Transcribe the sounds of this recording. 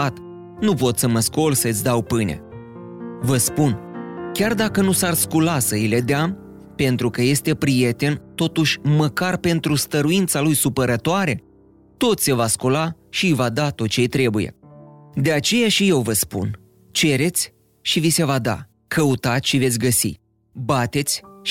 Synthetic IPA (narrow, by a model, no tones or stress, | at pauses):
at̪ | nupo̞t̪səməsko̞lsət̪sʲd̪awpɨjne̞̰ | vəspunkʲard̪akənusarskulasəile̞d̪ea | pe̞nt̪ɾukəje̞st̪e̞pɾije̞t̪e̞nt̪o̞t̪uʃʲməkarpe̞nt̪ɾust̪əɾuint̪salujsupəɾət̪oaɾe̞ | t̪o̞t̪se̞vaskula | ʃijvad̪at̪o̞t̪̚t͡ʃe̞jt̪ɾe̞buje̞̰d̪e̞at͡ʃe̞jaʃije̞wvəspṵn | t͡ʃe̞ɾe̞t̪sʲ | ʃivise̞vad̪a̰ | kʰəut̪at̪ʃivesʲɡəsḭ | bat̪e̞t̪sʲ